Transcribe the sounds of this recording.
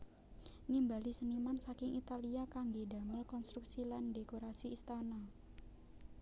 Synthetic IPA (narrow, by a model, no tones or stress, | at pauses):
nimbalisənimansakɪŋʔit̪aliakaŋɡeda̤məlkɔnst̪ɾuksilandekoɾasiːst̪ana